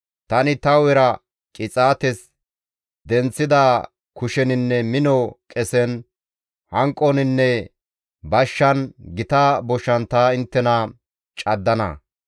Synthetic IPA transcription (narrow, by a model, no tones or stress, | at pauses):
t̪ɐnɪt̪ɐwɛɾɐ | kʼɪt͡sʼaːt̪ɛs | d̪ɛnt͡sːɪd̪aː | kʊʃɛnɪnːɛmɪnɔkʼɛsɛn | hɐŋkʼːɔnɪnːɛ | bɐʃːɐnɡɪt̪aːbɔʃɐnt̪aːɪnt̪ːɛnɐ | t͡ʃʼɐd̪ːɐnɐ̰